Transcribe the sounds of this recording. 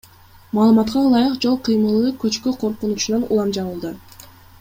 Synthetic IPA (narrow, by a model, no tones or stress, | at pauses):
mɑːlˠɯmɑt̪qɑlˠɑjɯqd͡ʒo̞lˠqʰɯjmɯlˠɯkøt͡ʃkøqʰo̞ɾqunut͡ʃunɑnṵlˠɑmd͡ʒɑβɯlˠd̪ɯ